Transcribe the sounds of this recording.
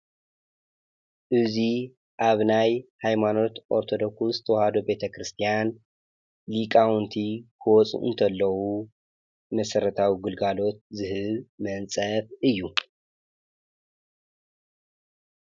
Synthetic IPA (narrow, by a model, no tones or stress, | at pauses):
ʔɨzi | ʔaβnajhajmano̞t̪ʔo̞ɾt̪ʰo̞d̪o̞ksuzɨt̪ʰɐwɔhad̪obe̞t̪ʰɐkɾɨst̪ʰijan | likʼawunt̪ʰikʰɨwɔt͡sʼṵʔɨ̰nt̪ʰɐlːɐwu | mɐsɐɾɐt̪ʰawiɡɨlɡalo̞t̪̚zɨhɨβmɐnt͡sʼɐfɨjːu